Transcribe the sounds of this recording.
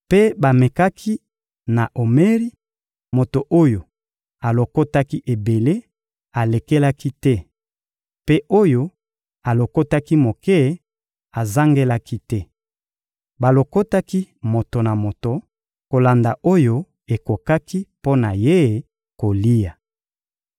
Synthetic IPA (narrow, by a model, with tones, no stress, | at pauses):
pe˦ba˨me˨ka˦kʰi˦ | na˨ʔo˨me˦ʁi˦ | mo˨to˨ʔo˦jo˨ | a˨lo˨ko˦ta˦ki˦ʔe˨be˨le˦ | a˨le˨ke˦la˦ki˦tɛ˦ | pe˦ʔo˦jo˦ | a˨lo˨ko˦ta˦ki˦mo˨kɛ˦˨ | a˨za˦ŋɡe˦la˦ki˦tɛ˦ | ba˨lo˨ko˦ta˦ki˦mo˨to˨na˨mo˨to˨ | ko˨la˨nda˨ʔo˦jo˦ | e˨ko˨ka˦ki˦po˦na˨je˦˨ | ko˨li˦ja˨